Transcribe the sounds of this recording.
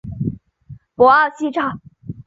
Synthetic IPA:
pɔ˧˥a˥˩ɕi˥˧ʈ͡ʂʰa˥˩

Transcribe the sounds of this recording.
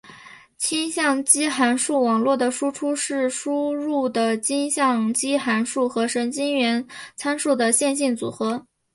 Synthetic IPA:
t͡ɕʰi˥nɕjɑ˥˩ŋt͡ɕi˥xa˧˥nʂu˥˩wɑ˨˩ŋlwɔ˥˩d̪ə˩ʂu˥ʈ͡ʂʰu˥ʂɻ̩˥˩ʂu˥ɻu˥˩d̪ə˩t͡ɕi˥nɕjɑ˥˧ŋt͡ɕi˥xa˧˥nʂu˥˩xɤ˧˥ʂə˧˥nt͡ɕi˥nɥɛ˧˥nt͡sʰa˥nʂu˥˩d̪ə˩ɕjɛ˥˧nɕ̬i˥˩nt͡su˨˩xɤ˧˥

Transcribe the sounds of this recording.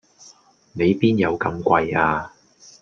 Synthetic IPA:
ne˨˧jpiː˥njɐ˨˧wkɐ˨˧mkʷɐ˧jaː˧

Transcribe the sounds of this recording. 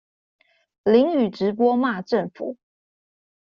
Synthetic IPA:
li˨˥ŋy˨˩ʈ͡ʂɻ̩˨˦p̬wɔ˦ma˥˧˨ʈ͡ʂə˥˨ŋfṵ˨˩˦

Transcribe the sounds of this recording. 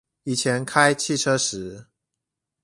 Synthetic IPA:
i˨˩t͡ɕʰjɛ˨˦nkʰa˦ɪt͡ɕʰi˥˨ʈ͡ʂʰɤ˦ʂɻ̩˨˦

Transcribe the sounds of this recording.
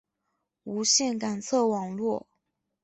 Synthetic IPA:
u˧˥ɕjɛ˥˩nka˨˩nt͡sʰɤ˥˩wɑ˨˩ŋlwɔ˥˨

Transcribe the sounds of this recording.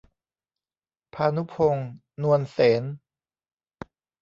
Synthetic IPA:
pʰaː˧nu˦˥pʰo˧ŋ | nu˧ənseː˩˦n

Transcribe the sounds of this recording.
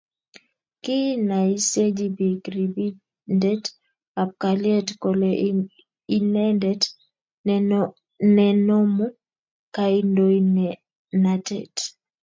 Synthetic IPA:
ki˦na˨i˦se˦d͡ʒibi˨kɾi˨bi˦ | ndɛ˦t | a˨p̚ka˨liɛ˦tko˨le | i˦nɛ˦ndɛt | nɛ˨no˦mu˦ | ka˦i˦ndo˦in | natɛ̰˨t

